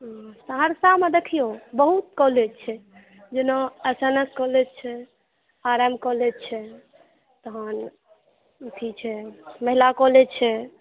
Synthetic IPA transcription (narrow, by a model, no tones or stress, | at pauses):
saɦaɾsamed̪ekʰijobəɦut̪̚kɔlet͡ʃʰɛ | d͡ʒenɔəsənəskɔlet͡ʃʰɛ | aɾamkɔlet͡ʃʰɛ | t̪ɔɦən | t̪ʰit͡ʃʰɛməɦilakɔlet͡ʃʰɛ